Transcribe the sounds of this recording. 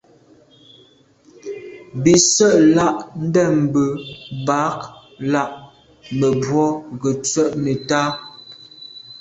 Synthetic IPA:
bi˨sə˦ʔla˦ʔn̩˦dɛ˦˨m˨bə˨ba˨˦k | la˦˨ʔ | mə˨bwɔ˦ɡə˨t͡sə˦˨ʔmə˨taː˦

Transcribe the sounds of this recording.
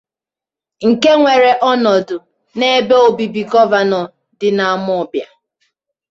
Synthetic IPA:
ŋ̩˨ke˦ŋʷe˨ɾe˨ʔɔ˦nɔ˨dʊ˨ | ne˦be˦o˨bi˨bi˨ɡɔ˦va˨nɔ˨ | dɪ˨na˨˦˨mʊ˦ɔ˨bja˨

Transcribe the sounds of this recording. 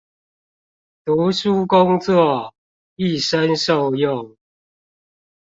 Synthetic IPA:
t̪u˨˦ʂu˦kʊ˦ŋt͡swɔ˥˨ | i˥˨ʂə˦nʂo˥˨ʊjʊ˥˨ŋ

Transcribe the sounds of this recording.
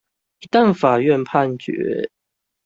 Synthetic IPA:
i˧˥t̪a˥˨nfa˨˩ɥɛ˥˧npʰa˥˨nt͡ɕɥɛ̰˧˥˦

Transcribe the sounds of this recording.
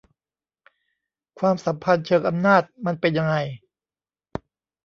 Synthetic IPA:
kʰwaː˧msa˩˦mpʰa˧nt͡ɕʰɤː˧kʔa˧mnaː˥˩t̪̚ma˧npe˧nja˧ŋa˧j

